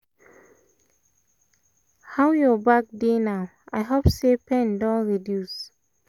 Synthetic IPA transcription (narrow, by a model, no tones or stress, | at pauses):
hawjɔbak̚denaʊ | aɪɦopsepɛ̃ndɔ̃nɹidjus